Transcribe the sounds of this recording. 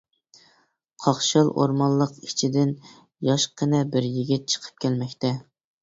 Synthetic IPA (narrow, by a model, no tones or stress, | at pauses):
qʰɑχʃɑlˠʔo̰ɾmɑllˠːəqit͡ʃʰid̪ɪn | jɑʃqʰənɛbɪɾjiɡʲit̪̚t͡ʃʰə̥qʰə̥p̚kʲʰɛlmɛkʲt̪ʰɛ